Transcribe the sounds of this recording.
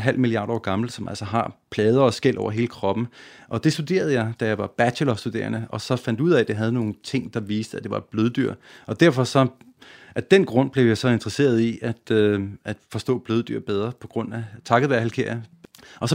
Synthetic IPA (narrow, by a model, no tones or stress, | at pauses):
ɦæl̰miliɑ̈ːd̥ɒ̰ːɡ̥ɑ̈ml̩sɒ̽mʔæl̰sɒɦɑ̈pʰlɛːð̞ˠɐɒ̽sɡ̥el̰ʔɒ̰ʊ̰ɐɦe̝ːləkʰʁɒ̽b̥n̩ʔɒ̽d̥e̝sd̥ud̥e̝̰ːɐð̞̩ˠjɑ̈ɪd̥æjɑ̈ɪʋɑ̈b̥æɕʰelɒfsd̥ud̥e̝̰ːɐnəɒ̽sɒ̽fæn̰d̥uð̞̰ˠɛd̥e̝ɦæð̞ˠəno̝ːn̩t͡sʰe̝ŋ̰d̥ɑ̈ʋiːsd̥əæd̥e̝ʋɑ̈b̥løð̞ˠd̥yɐ̰ɒ̽d̥æɐfɒ̽sɒ̽ | æd̥enɡ̥ʁɔ̽n̰b̥le̝ʊjɑ̈ɪsɒ̽e̝nd̥ʁɐse̝̰ːɐð̞ˠiʔæd̥æd̥fɒ̽sd̥ɔ̰̽ːb̥løːð̞ˠd̥y̰ɐ̰b̥eð̞ˠʁɐpʰɒ̽ɡ̥ʁɔ̽n̰æt͡sʰɑ̈ɡ̥əʋæɐhælkʰe̝ɐ̰jə | ʔɒ̽sɒ